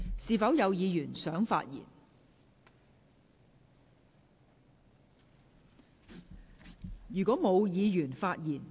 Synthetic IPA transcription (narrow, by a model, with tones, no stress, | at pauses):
siː˨˧fɐ˨˥wjɐ˨˧wjiː˨˧jyː˨˩nsœː˨˥ŋfa̰ː˧t̚jḭ˨˩n | jyː˨˩kɔː˨˥mo˨˧wjiː˨˧jyː˨˩nfaː˧t̚jiː˨˩n